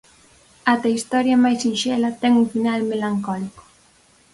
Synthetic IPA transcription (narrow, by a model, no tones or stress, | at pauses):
at̪ɐist̪ɔɾjɐmajsinʃɛlɐt̪ɛŋuŋfinalmelaŋkɔliko̥